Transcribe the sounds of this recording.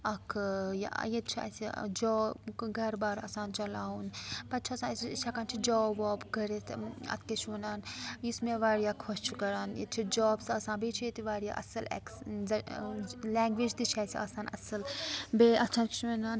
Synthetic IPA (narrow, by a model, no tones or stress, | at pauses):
ɐkʰj̰jet̪t͡ʃʰiɐ̰sid͡ʒɔːɡʱɐɾbaːɾa̰saːnt͡ʃɐlaːunpɐt̪t͡ʃʰɐsãːst͡ʃʰɐkaːnt͡ʃʰid͡ʒoːbɔːbɡɐɾet̪ʰɐ̰t̪ʰket͡ʃʰuːnaːnjismẽʋaːɽijaːkʰost͡ʃʰukɐɾaːnjḛt͡ʃʰid͡ʒoːbsɐsãːbit͡ʃʰet̪iʋaːɽija̰ːʔɐ̰sɐlɛ̰kzɐ | lɛːŋɡʋid͡ʒt̪it͡ʃʰaːsia̰ːsaːnɐ̰sɨlbeʔɐt͡ʃʰãːnt͡ʃʰenaːn